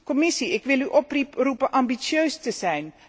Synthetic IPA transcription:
komɪsiɪkʋɪlˠyʔɔprirupəʔɑmbisjøɥstəzɛjn

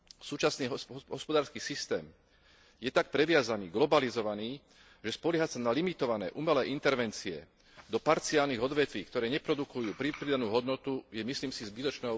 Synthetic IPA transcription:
suːt͡ʃasniːɦɦɔspɔd̪aːɾskiːsist̪ɛːm | jɛt̪ak̚pɾɛʋɪazaniːɡlɔbalizɔʋaniː | ʒɛspɔlɪɦasanalimit̪ɔʋanɛ̰ːʔumɛlɛːʔint̪ɛɾʋɛnt͡siɛ̰ | d̪ɔpaɾt͡sialniɣɔd̪ʋɛt̪ʋiːkt̪ɔɾɛːɲɛpɾɔd̪ukujuːpɾipɾid̪anuːɦɔd̪nɔt̪ujɛmisliːmsizbit̪ɔt͡ʃnɛːɦɔ

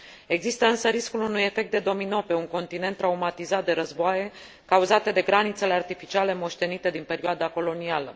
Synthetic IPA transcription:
e̞ɡzist̪əɨnsəɾiskulunuje̞fe̞k̚t̪̚d̪e̞d̪o̞mino̞pe̞uŋko̞nt̪ine̞nt̪ːɾaumat̪izat̪̚d̪e̞ɾəzboaje̞ | kauzat̪e̞d̪e̞ɡɾanit̪se̞le̞art̪ifit͡ʃiale̞mo̞ʃt̪e̞nit̪e̞d̪inpe̞ɾioad̪ako̞lo̞nialə

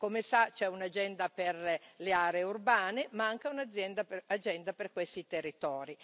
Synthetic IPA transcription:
komesat͡ʃɛunad͡ʒɛnd̪aperleaːɾeːurbaːnemaaŋk̟eunad̪zːjɛnd̪apad͡ʒɛnd̪aperkwest̪it̪erːit̪ɔːɾi

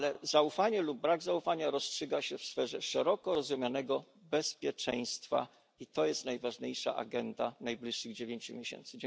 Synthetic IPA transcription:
lɛzaufaɲɛlub̚ːɾaɡzaufaɲaɾɔstʂɘɡaɕɛfsfɛʐɛʂɛɾɔkɔɾɔzumjanɛɡɔ | bɛspʲjɛt͡ʂɛj̃st̪fa̰ | it̪ɔjɛst̪najvaʐɲejʂa̰ʔa̰ɡɛnd̪anajblʲiʂːɘɣd͡ʑevʲeɲt͡ɕumʲjeɕɛ̰nt̪sɘd͡ʑ

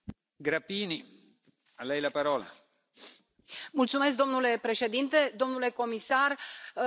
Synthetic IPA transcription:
ɡɾapiːni | alːɛjlapaɾɔːla̰ | mult̪sumesk̚d̪o̞mnule̞pɾe̞ʃe̞d̪int̪e̞d̪o̞mnule̞ko̞misar

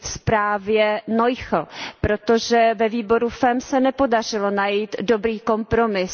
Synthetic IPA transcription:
fspɾaːvjɛno̞jxl̩pɾo̞t̪o̞ʒɛvɛviːbo̞ɾufɛmsɛnɛpo̞dar̝ɪlo̞najiːt̪do̞bɾiːko̞mpɾo̞mɪs

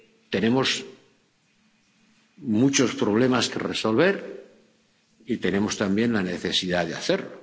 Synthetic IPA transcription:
t̪e̞ne̞mo̞s | mut͡ʃo̞spɾo̞β̞le̞maske̞̰reso̞lβe̞ɾ | it̪e̞ne̞mo̞st̪ambje̞nlane̞θe̞siðaðeaθeɾlo

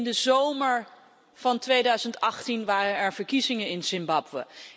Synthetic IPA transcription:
ndəzowməɹ | v̥ɑntʋejdœɥzəntɑχtinʋaːrənɛɹv̥əɹkizɪŋənɪnsɪmbɑpʋə̰

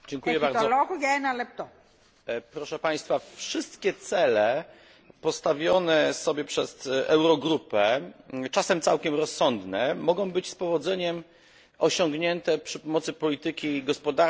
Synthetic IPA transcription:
d͡ʑɛŋkujɛbaɾzɔlɔɣujɛnalɛp̚t̪ɔ | pɾɔʂɛpaj̃st̪fafʂɘst̪kʲɛt̪sɛlɛ | pɔst̪avʲjɔnɛsɔbʲjɛpʂɛzɛwɾɔɡɾupɛt͡ʂasɛmt̪sawkʲɛmɾɔsːɔnd̪nɛmɔɡɔ̃w̃bɘt͡ɕspɔvɔd̪zɛɲɛm | ɔɕɔŋɡɲɛnt̪ɛpʂɘpɔmɔt̪sɘpɔlʲit̪ɘkʲiɡɔspɔd̪aɾ

